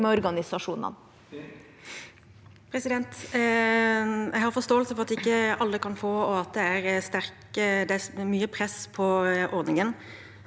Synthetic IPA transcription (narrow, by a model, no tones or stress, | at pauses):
mɔɾɡɑnɪsɑʂuːnɑ̰n | pʰɾɛsɪd̪ɛnt̪ | jʔæɪhɑɾfɔʁst̪oːəlsəfɔʁɑt̪ːɛɪkːəʔɑlːəkʰɑnfoːɔɑt̪̚d̪ɛæɾst̪æʁkəd̪ɛæmyːəpʰɾɛspʰɔʔɔɾd̪nɪŋən